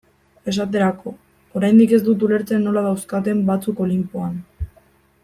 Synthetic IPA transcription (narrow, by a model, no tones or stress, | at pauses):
e̞s̬at̪e̞ɾako̞ | oɾajnd̪ike̞zd̪ut̪̬ule̞ɾt͡senːo̞laðawskat̪̬e̞mbat͡suko̞limpuan